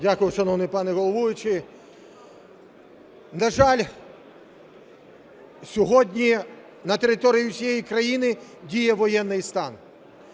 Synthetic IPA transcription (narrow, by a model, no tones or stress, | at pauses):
dʲakʊjʊʃɐnɔwnɨjpɑnɪɣɔlˠɔʋujʊt͡ʃɪ | nɐʒɑlʲ | sʲɔɦɔdʲnʲi | nɐt̪eɾɪt̪ɔɾʲijʊsʲijɛjikɾɐjinɪdʲijɛʋɔjɛnːɪjst̪ɑn